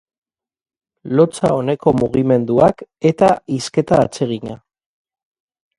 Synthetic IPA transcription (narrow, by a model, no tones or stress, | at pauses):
lo̞t͡sa̰o̞ne̞ko̞muɣ̞ime̞nd̪uake̞t̪aiske̞t̪aːt͡se̞ɣ̞iɲa